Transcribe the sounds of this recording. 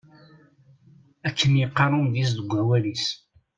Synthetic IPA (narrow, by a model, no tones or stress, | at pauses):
ækʰːənjəqːɑɾˤʊnðis̬ðəɡʷːæwælis